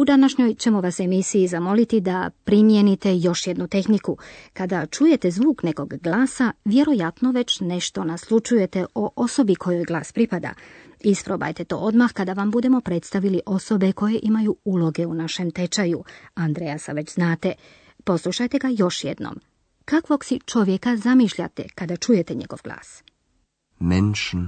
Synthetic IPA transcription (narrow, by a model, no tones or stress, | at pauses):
ud̪anaʃɲo̞jt͡ɕe̞mo̞ʋase̞misijizamo̞lit̪id̪apɾimjenit̪e̞jo̞ʃjed̪nut̪e̞xnikukad̪at͡ʃuje̞t̪e̞zʋuːkne̞ko̞ɡɡlˠaːsaʋje̞ɾo̞jat̪no̞ʋe̞t͡ɕne̞ʃt̪o̞naslˠut͡ʃuje̞t̪eʔo̞ʔo̞so̞bikʰo̞jo̞jɡlˠaːspɾipad̪a̰ | ispɾo̞ba̰jt̪et̪o̞̰ːo̞d̪maxkad̪aʋambud̪e̞mo̞pɾet̪st̪aʋiliʔo̞so̞beko̞je̞ʔimajuulˠo̞ɡe̞unaʃe̞mt̪e̞t͡ʃajuand̪ɾejasa̰ʋe̞t͡ɕznaːt̪e | po̞slˠuʃajt̪e̞ɡajo̞ʃjḛd̪no̰m | kakʋo̞ɡsit͡ʃo̞ʋjekazamiːʃʎa̰t̪ḛkad̪at͡ʃuje̞t̪e̞ɲe̞̰ɡ̥o̞̰ʋɡlˠa̰ːs | mɛnʃn